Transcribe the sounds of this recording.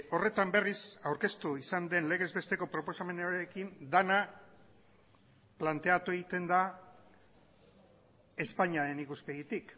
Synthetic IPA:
o̞re̞t̪ambe̞risawɾke̞st̪uisand̪e̞nle̞ɣe̞zβe̞st̪e̞ko̞pɾo̞po̞same̞noɾekind̪ana | plant̪e̞at̪ue̞ɣ̞it̪e̞nd̪a | e̞spaɲaɾe̞nikuspe̞ɣit̪ik

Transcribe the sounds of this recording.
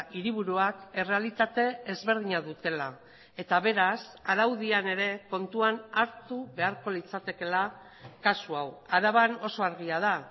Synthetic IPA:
ʔiɾiβ̞uɾuake̞re̞alit̪at̪e̞ːzβe̞ɾð̞iɲaðut̪e̞la | e̞t̪aβe̞ɾasaɾawðiane̞ɾe̞ko̞nt̪uanaɾt̪uβe̞aɾko̞lit͡sat̪e̞ke̞la | kasuawaɾaβano̞so̞aɾɣ̞iað̞a

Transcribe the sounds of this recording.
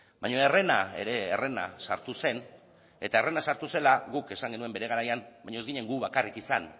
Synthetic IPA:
bajɲo̞e̞re̞nae̞̰ɾe̞ːre̞na̰saɾt̪use̞n | e̞t̪ae̞re̞nasaɾt̪use̞laɣuke̞saŋɡe̞nue̞mbe̞ɾe̞ɣ̞aɾajanbaɲozɣiɲe̞ŋɡuβakarikisan

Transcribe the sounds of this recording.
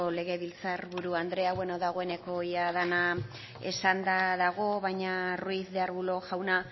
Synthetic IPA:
ole̞ɣe̞βilt͡saɾβuɾuand̪ɾe̞aweno̞ðaɣo̞e̞ne̞ko̞iaðana | e̞̰sand̪aðaɣo̞βajɲaruiθðe̞aɾβulo̞ʝawna

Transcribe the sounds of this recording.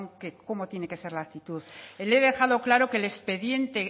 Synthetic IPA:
ŋkeko̞mot̪je̞ne̞ke̞se̞ɾlakt̪it̪uðeleðe̞xaðo̞klaɾo̞ke̞le̞spe̞ðje̞nt̪e̞

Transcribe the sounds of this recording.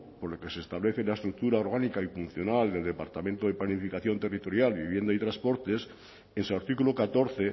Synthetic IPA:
poɾleke̞seːst̪aβle̞θelaest̪ɾuk̚t̪uɾaoɾɣ̞anikaifun̟θjo̞nald̪e̞ld̪e̞paɾt̪amẽnt̪oðeplanifikaθjo̞nt̪e̞rit̪o̞ɾjalβiβje̞nd̪ait̪ɾaspo̞ɾt̪e̞s | ensaɾt̪ikulokat̪o̞ɾθe

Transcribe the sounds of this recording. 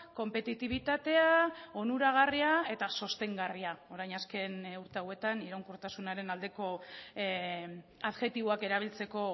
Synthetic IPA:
ko̞mpe̞t̪it̪iβ̞it̪at̪e̞aonuɾaɣ̞ariae̞t̪aso̞st̪e̞ŋɡariao̞ɾajnaske̞nuɾt̪e̞awe̞t̪aniɾawŋkuɾt̪asunaɾe̞nald̪e̞ko̞ | aðxe̞t̪iβo̞ake̞ɾaβ̞ilt͡se̞ko̞

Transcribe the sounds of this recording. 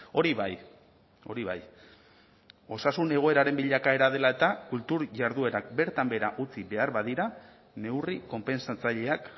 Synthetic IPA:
o̞ɾiβaj | o̞̰ɾiβa̰j | o̞sasune̞ɣ̞o̞e̞ɾaɾe̞mbiʎakae̞ɾað̞e̞lae̞t̪akult̪uɾʝaɾðue̞ɾak̚be̞ɾt̪ambe̞ɾaʔut͡siβe̞aɾβaðiɾa | ne̞wriko̞mpe̞nsat͡saʎe̞ak

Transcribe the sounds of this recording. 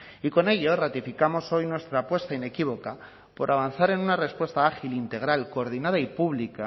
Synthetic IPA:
iko̞ne̞ʎorat̪ifikamo̞so̞jnwe̞st̪ɾaːpwe̞st̪aine̞kiβo̞ka | po̞ɾʔaβ̞an̟θaɾe̞nunare̞spwe̞st̪aaxilint̪e̞ɣ̞ɾalko̞ːɾðinaðaipuβlika

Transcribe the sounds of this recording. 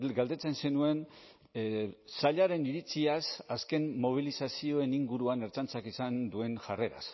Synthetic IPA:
ɡald̪e̞t͡se̞nse̞nue̞n | saʎaɾe̞niɾit͡siasaske̞nːo̞β̞ilisasio̞e̞niŋɡuɾuane̞ɾt͡sant͡sakisand̪ue̞nʝare̞ɾa̰s

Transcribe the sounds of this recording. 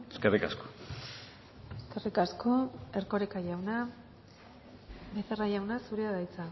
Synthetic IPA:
eskerika̰sko̥ | eskerikaskoe̞ɾko̞ɾekaʝawna | be̞θerajawnasuɾeaðajt͡sa

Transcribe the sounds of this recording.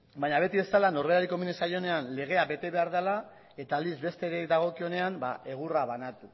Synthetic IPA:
baɲaβe̞t̪iβe̞st̪alano̞reaɾikominesajo̞ne̞anle̞ɣ̞e̞abe̞t̪e̞βe̞aɾðala | e̞t̪alizbe̞st̪eɾed̪aɣo̞kio̞ne̞anba̰ʔe̞ɣ̞uraβanat̪u

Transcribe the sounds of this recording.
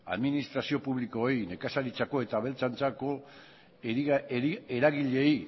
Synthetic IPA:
a̰ðminist̪ɾasio̞puβliko̞jne̞kasalit͡sako̞et̪aβe̞lt͡sant͡sako̞ | e | eɾaɣiʎe̞i

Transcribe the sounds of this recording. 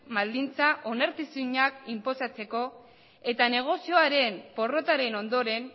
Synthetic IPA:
mald̪int͡saʔo̞naɾt̪isuɲakimpo̞sat͡se̞ko̞ | e̞t̪ane̞ɣ̞o̞sio̞aɾe̞mpo̞ro̞t̪aɾe̞no̞nd̪o̞ɾe̞n

